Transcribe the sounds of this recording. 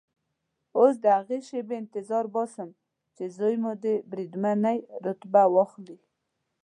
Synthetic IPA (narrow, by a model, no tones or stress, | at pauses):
os̬d̪əhaɣeʃebeɪnt̪ɪzɑɾbɑsəm | t͡ʃezojmud̪ebɾid̪manajɾʊt̪bawɑxli